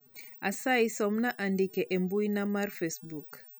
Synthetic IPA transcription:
asajsɔmnaʔandikɛʔɛmbujnamaɾfɛsbuk

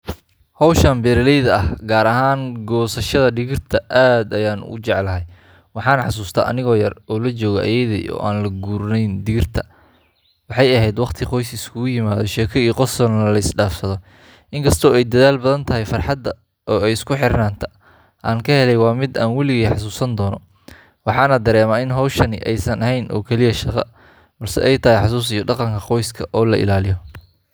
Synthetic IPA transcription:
hɔwʃaːmbɛːɾɐlɛjðɐɐhɡaːɾɐɦaːnɡɔːsɐʃɐðɐɖɪɣɪrt̪ʰɐʔaːd̪ɐjaːnʊ̰t͡ʃɛʕlɐɦɛj | wɑħɑːnħɑ̰s̬uːst̪ʰɐʔɐ̰nɪɣɔːjɐrɔːlɐt͡ʃɔːɣɐʔɐ̰jɛðɛ̰ʔɔ̰ːʔaːnlɐɡuːɾnɛjnɖɪɣɪrt̪ʰɐ̥ | wɑħɑjɐɦɛjd̪wɑqt̪ʰiqɔjsɪskʰʊɣʊjɪmaːðɔ̰ʃɛːkʰɔiːqɔsɔnɐlɐɪsɖaːfsɐðɔ | ʔɪŋkʰɐst̪ʰɔːɛjd̪ɐðaːlbɐðɐnt̪ʰɐɦɪjfɑrħɑd̪ɐ | ʔɔːɛjɪskʰʊħɪɾnaːnt̪ʰɐ | ʔaːŋkʰɐhɛlɛjwɑːmɪd̪aːnwɛlɪɣiːħɑs̬uːsɐnd̪ɔːnɔ | wɑħɑːnɐd̪ɐɾɛːmɐɪnɦɔwʃɐnɪʔɛjsɐnɐɦɛjnʔɔ̰ːkʰɛlɪjɐʃɑqɑ̰ | bɐrsɛ̰ʔɛjt̪ʰɐɦɪjħɑs̬uːs̬ɪjɔɖɑqɑŋkʰɐqɔjskʰɐʔɔːlɐʔɪ̰laːlɪjɔ

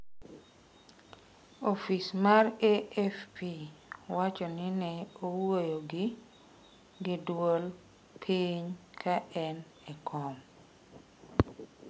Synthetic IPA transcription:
ofismareɛfpiwat͡ʃɔnɪnɛowojoɡɪ | ɡɪdwol | pʰiɲkʰaɛn | ɛkʰɔm

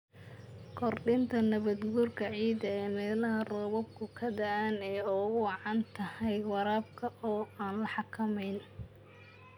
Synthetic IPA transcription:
kʰɔrɖɪnt̪ʰɐnɐβɐd̪ɡuːrkʰɐʕiːd̪ɐɛːmɛːlɐɦɐrɔːβɔb̚kʰʊkʰɐd̪ɐʔanɛːɔɣʊwɑʕɑnt̪ʰɐhɛjwɑɾaːb̚kʰɐʔɔːaːnlɐħɑkʰɐmɛjn

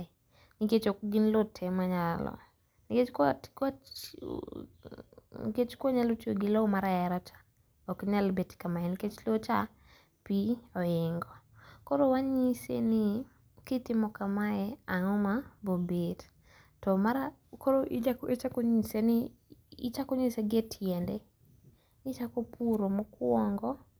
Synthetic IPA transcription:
niket͡ʃokɡinlotʰɛmaɲalɔ̰ | nɪket͡ʃktkat͡ʃ | ket͡ʃkwoɲalotioɡɪlɔmaɾaɛɾat͡ʃḁ | okɲalbetkamaɛnɪket͡ʃlot͡ʃa | piɔɪŋɡɔ | kɔɾowaɲisḛnɪ | kɪtɪmɔkamaɛaŋɔmabobet | tɔmaɾa | kɔɾoʔaket͡ʃakoɲisenɪ̰ː | t͡ʃakoɲiseɡetʰjɛndɛ | ɪt͡ʃakopuɾomokwɔŋɡɔ

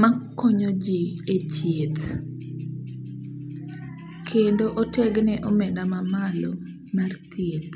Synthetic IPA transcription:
makːoɲod͡ʒiet͡ʃjet̪ | kʰendoʔotɛɡnɛʔomɛdamamalo | mart̪jet̪

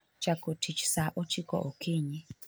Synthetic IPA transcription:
t͡ʃakotʰit͡ʃʰsaʔot͡ʃʰikɔ̰ʔokʰiɲi

